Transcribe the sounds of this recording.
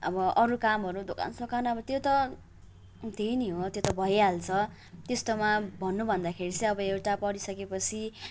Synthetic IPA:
ʌbʌʔʌɾukamɦʌɾud̪oka̰nsokanʌbʌt̪jot̪ʌ | t̪ejniɦot̪jot̪ʌbʱʌjalt͡sʰʌ | t̪est̪omabʱʌnːubʱʌnd̪akʰeɾit͡sʌ̃ʌbʌewʈapʌɽisʌkepʌt͡sʰi

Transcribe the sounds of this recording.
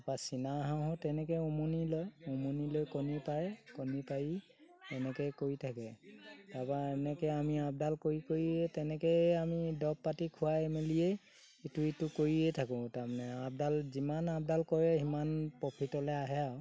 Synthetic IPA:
apasinaːɦãɦɔ̃tɛnɛkɛumonilɔjɔmonilojkɔnipajkɔnipaji | ɛnɛkɛkoɹitʰakɛdapaɛnɛkɛamiap̚dalkoɹikoɹiɛtɛnɛkɛamidɔpːatikʰʊwaemelije | ituitʊkoɹiɛtʰakʊ̃taɹmanɛab̚dalzimanap̚dalkɔɹɛɦimanpɔpʰitɔlɛaɦɛaw

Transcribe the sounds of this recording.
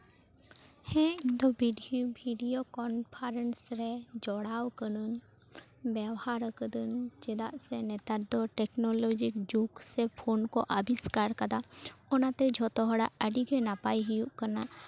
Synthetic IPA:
hɛ̃id̪ɔbiɖbʱiɖijokɔnpʰaɾɛnsɾɛd͡ʒɔɽawkənun | bawhaɾəkəd̪ənt͡ʃɛd̪aʔsɛnɛt̪ad̪ɔʈɛknɔlɔd͡ʒikd͡ʒuksɛpʰonkɔʔəbiskaɾkad̪aɔnat̪ɛd͡ʒʱɔt̪ɔɦɔɽaʔəɖiɡɛnapajɦijuʔkəna

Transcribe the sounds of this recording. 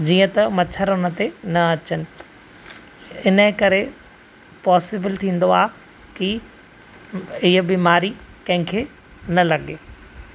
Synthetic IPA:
d͡ʑiːə̃t̪ɐmɐtʰəɾʊnə̆t̪enɐɐt͡ɕənɪ̆ | ɪnəɦkɐɾe | pɔːsɪbəlt̪ʰĩːn̆d̪oaː | ki | ɪɦəbiːmaːɾikɐ̃ɦɪ̃kʰeː | nɐlɐɠeː

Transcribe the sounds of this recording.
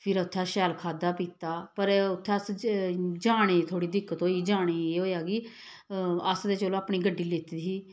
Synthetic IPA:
pʰɪɾəʊt̪ʰːaːʃɛːlkʰaːd̪aːpiːt̪aːpəɾʊt̪ʰːeːəs | d͡ʒaːɽ̃eːt̪ʰoːɽiːd̪ɪkːət̪oːiːd͡ʒaːɽ̃eːeɦoːjaːɡiː | əsd̪eːt͡ʃəːlõaːpɳiːɡəɖːiːlɪt̪d̪iː

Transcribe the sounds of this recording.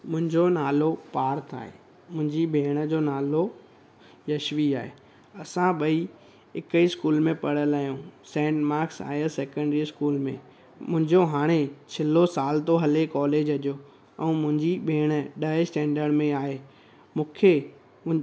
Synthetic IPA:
mʊ̃ɦɪ̃ɲd͡ʑonaːlopaːɾt̪ʰa̰ːɦḛ | mʊ̃ɦɪ̃ɲd͡ʑiɓʱeːɽ̃ə̆d͡ʑoːnaːlo | jɐʃʋiaːɦḛ | ɐsãɓɐi | ɪkəiskuːlmẽpɐɽ̤əlaːijũːsɛ̃ːɳʈmaːɾksa̰ːɦəsɛːkə̃ɳɖɾiskuːlmẽ | mʊ̃ɦɪ̃ɲd͡ʑoɦaːɽ̃et͡ɕʰɪlosaːlt̪oɦɐlekɔːleːd͡ʑɦɐʄo | ɛ̃ːmʊ̃ɦɪ̃ɲd͡ʑiɓʱeːɽ̃əɗɐsʈɛ̃ːɳɖəɽmẽaːɦeː | mũːkʰe

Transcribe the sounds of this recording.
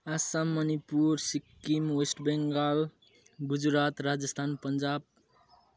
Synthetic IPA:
asamːʌnipuɾsikːimwesʈbeŋɡal | ɡud͡zɾat̪ɾad͡zʌst̪ʰanpʌnd͡ʒab̚

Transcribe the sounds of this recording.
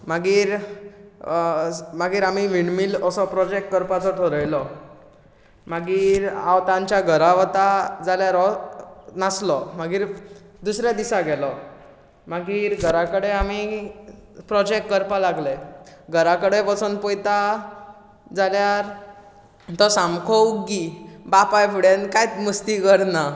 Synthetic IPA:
maɡiːɾ | maɡiːɾamiʋiɳmiləsɔpɾɔd͡ʑek̚ʈkəɾpat͡sɔʈ̪ʰoɾəjlɔ | maɡiːɾa̰wt̪ãɲt͡ɕjaɡʱəɾaʋt̪ad͡zaljaɾɔ | naslɔmaɡiːɾd̪usɾjad̪isaɡɛlɔ | maɡiːɾɡʱəɾakəɽeami | pɾɔd͡ʑek̚ʈ̚kəɾpalaɡleɡʱəɾakəɽepət͡sunpojt̪a | d͡zaljaɾ | t̪ɔsamkʰowɡibapajpʰuɽenkajt̪must̪ikəɾna

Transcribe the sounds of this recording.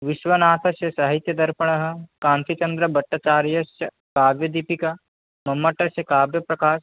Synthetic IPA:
ʋɪʃʋɐnaːt̪ʰɐʃjɐsɐɦit̪jɐd̪ɐɾpɐɽ̃ɐɦɐ̆kãːnt̪it͡ʃɐnd̪ɾɐbɐʈːɐt͡ʃaːɾjɐsjɐ | kaːbjɐd̪ipikɐ | mɐmːɐʈːɐsjɐkaːbjɐpɾɐkaːʃ

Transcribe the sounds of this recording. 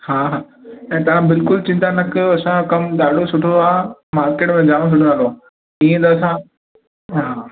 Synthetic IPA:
haːɦaː | ɛ̃ːt̪ɐʋ̤ãbɪlkʊlt͡ɕɪ̃nt̪anɐkʰɐsãkɐmɗaːɖʱosʊʈʰoaːmaːɾkeːʈmẽd͡ʑaːɽ̃s̬ʊʈʰõnaloa | ĩːẽnd̪aːsã | ɦaː

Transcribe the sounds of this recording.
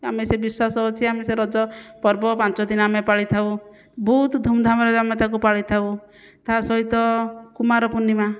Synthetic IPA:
amesebiswasɔɦɔt͡ʃʰiameseɾɔd͡ʒɔpɔɾbɔpant͡ʃɔd̪inɔamepaɭit̪ʰaw | but̪d̪ʱumd̪ʱamɔɾeɾamet̪ak̬upaɭit̪ʰaw | t̪aɦasɔɦit̪ɔkumaɾɔpunːima

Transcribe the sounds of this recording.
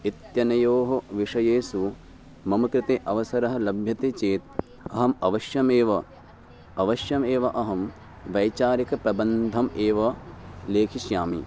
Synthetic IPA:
it̪jɐnɐjoːɦɐʋiʂɐjeːsu | mɐmɐkɾɪt̪eːʔɐʋɐsɐɾɐɦɐ̆lɐbʱjɐt̪eːt͡ʃeːt̪̚ | ɐɦɐmɐʋɐʃjɐmeːʋɐ | ɐʋɐʃjɐmeːʋɐʔɐɦɐm | ʋɐjt͡ʃaːɾɐkɐpɾɐbɐnd̪ʱɐmeːʋɐleːkʰiʃjaːmḭ

